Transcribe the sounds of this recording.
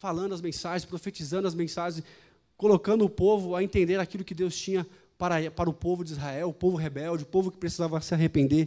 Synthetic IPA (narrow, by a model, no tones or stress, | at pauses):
falɐ̃nd̪ʊɐzmẽsaʒẽspɾofet͡ʃizɐ̃nd̪ʊɐzmẽsaʒẽs | kolokɐ̃nd̪ʊʊpovʊaɐẽnt̪ẽnd̪eɾakilʊkɪd̪ewst͡ʃĩɲɐ | paɾɐpaɾɐʊpovʊd͡ʒɪizɦaɛwʊpovʊɦebɛwd͡ʒɪʊpovʊkɪpɾesizavɐsɪaɦepẽnd̪eɾ